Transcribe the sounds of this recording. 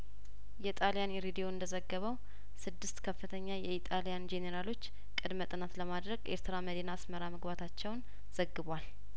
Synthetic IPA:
jɛit̪ʼalijanɾed̪ijo̞ɨnd̪əzəɡːəβəw | sɨd̪ːɨst̪kʰəfːɨt̪ʰəɲːajɛit̪ʼalijand͡ʒe̞neɾalo̞t͡ʃː | kʼɨd̪mət̪ʼɨnat̪ləmad̪ɾəɡʔḛɾt̪ɨɾaməd̪inaːsməɾaməɡbat̪ʰat͡ʃːɛwn | z̥əɡːɨβʷal

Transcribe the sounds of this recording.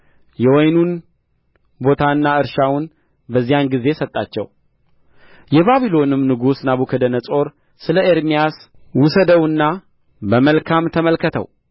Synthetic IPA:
jɛwɔjnun | bo̞t̪ʰaɨnːaɨɾʃawʊn | bəzːijanɡize̞sət̪ʼːa̰t͡ʃːɛ̰w | jɛβaβilo̞nɨmnɨɡusnaβukʰəd̪ənəsʼo̞ɾ | sɨləʔeɾmijas | wʊsəd̪əwɨnːa | bəməlkʰamt̪ʰəməlkət̪ʰə̰w

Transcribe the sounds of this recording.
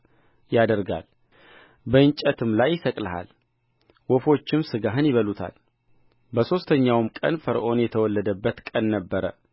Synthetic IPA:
jad̪əɾɡa̰l | bəɨnt͡ʃʼət̪ʰɨmlajːɪsəkʼləɦa̰l | wɔfo̞t͡ʃːɪmsɨɡaɦɨnjɪβəlut̪ʰa̰l | bəso̞st̪ʰəɲːawmkʼə̰nfəɾʔo̞njɛt̪ʰəwɔlːəd̪əbːət̪kʼənːəbːəɾə

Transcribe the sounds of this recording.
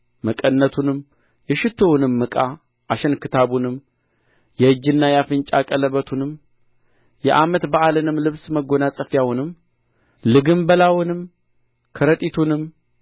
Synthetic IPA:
məkʼənːət̪ʰunɨm | jɛʃɪt̪ʰownɨmːɨkʼa | ʔaʃɛnkʰɨt̪ʰaβunɨm | jɛɨd͡ʒːɨnːajafɨnt͡ʃʼakʼələβət̪ʰunɨm | jɛ̰ʔamət̪baʔalɨnɨmlɨβsməɡo̞nasʼəfjawʊnɨm | lɨɡɨmbəlawɨnɨm | kʰəɾət̪ʼit̪ʰunɨm

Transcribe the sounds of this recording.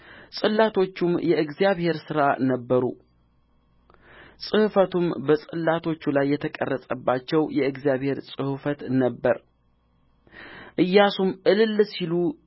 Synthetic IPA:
sʼɨlːat̪ʰo̞t͡ʃːumjɛɨɡzjaβhe̞ɾsɨɾanəbːəɾu | sʼɨhfət̪ʰumbəsʼɨlːat̪ʰo̞t͡ʃːulajːɛt̪ʰəkʼə̰rːəsʼəbːat͡ʃːɛwjɛɨɡzijaβhe̞ɾsʼɨhfət̪nəbːəɾ | ʔɨjːasumʔɨlɨlːsilu

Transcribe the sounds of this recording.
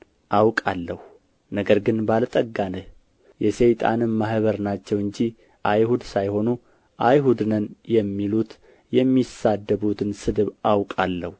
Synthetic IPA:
ʔawkʼalːəhu | nəɡəɾɡɨnbalt̪ʼəɡːanəh | jɛsejt̪ʼa̰nɨnmahβəɾnat͡ʃːɛwɨɲd͡ʒi | ʔajhud̪sajho̞nu | ʔajɦud̪nənjɛmːilut̪ | jɛmːisad̪ːəβut̪ʰɨnsɨd̪ɨβawkʼalːəhu

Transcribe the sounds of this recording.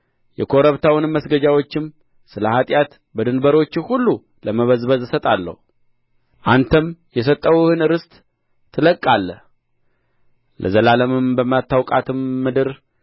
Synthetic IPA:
jɛkʰo̞ɾəβt̪ʰawɨnɨmːəsɡəd͡ʒawo̞t͡ʃːɪm | sɨləhat̪ʼjat̪ | bəd̪ɨnbəɾo̞t͡ʃːɪhulːu | ləməβəzbəzɨsət̪ʼalːə̰hu | ʔant̪ʰəmjɛs̬ət̪ʼːəwhɨnɨɾɨst̪ʼ | t̪ʰːɨləkʼːalːəh | lʔə̰zəlaləmɨmbəmat̪ʰːawkʼat̪ʰɨmːɨd̪ɨɾ

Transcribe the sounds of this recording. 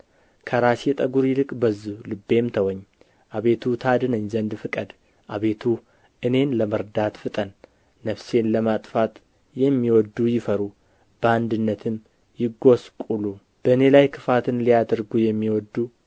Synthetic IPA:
kʰəɾaset̪ʼəɡuɾjɪlɨkʼbəzulɨbːe̞mt̪ʰəwɔɲː | ʔaβe̞t̪ʰut̪ʰad̪ɨnəɲːzənd̪fɨkʼəd̪ | ʔaβe̞t̪ʰu | ʔɨne̞nləməɾd̪at̪fɨt̪ʼənː | əfse̞nləmat̪ʼfat̪ | jɛmːiwɔd̪ːujɪfəɾu | b̥əand̪ɨnːət̪ʰɨm | jɪɡo̞skʼulu | b̥əɨne̞lajkʰɨfat̪ʰɨnlijad̪əɾɡujɛmːiwɔd̪ːu

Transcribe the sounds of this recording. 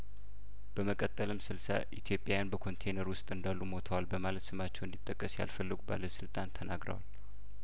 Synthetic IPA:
b̥əməkʼət̪ʼːəlɨmsɨlsa̰ʔḭt̪ʰjo̞pʼjawjanbəkʰo̞nt̪ʰejnəɾwʊst̪ʼɨnd̪alːumo̞t̪ʰəwalbəmalət̪sɨmat͡ʃːɛwɨnd̪it̪ʼːəkʼːəsja̰lfəlːɨɡuba̰ləsɨlt̪ʼant̪ʰənaɡɾə̰wal

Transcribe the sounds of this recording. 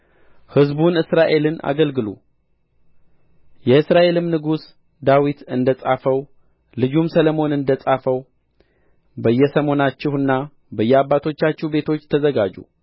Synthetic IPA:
hɨzbunɨsɾaʔe̞lɨna̰ɡəlɡɨlṵ | jɛɨsɾaʔe̞lɨmnɨɡus | d̪awit̪ɨnd̪əsʼafəw | lɨd͡ʒumsəlomo̞nɨnd̪əsʼafəw | bəjːɛsəmo̞nat͡ʃːɪhɨnːa | bəjːɛabːat̪ʰo̞t͡ʃːat͡ʃːɛhbe̞t̪ʰo̞t͡ʃːt̪ʰəzəɡad͡ʒṵ

